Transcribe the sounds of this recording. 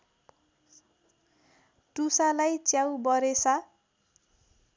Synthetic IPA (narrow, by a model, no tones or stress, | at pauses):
ʈusalajt͡sjawbʌɾesʰa